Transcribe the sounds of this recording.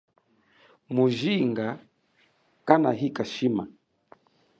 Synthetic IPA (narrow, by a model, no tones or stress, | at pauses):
muʒiŋɡa | kanaɦikaʃima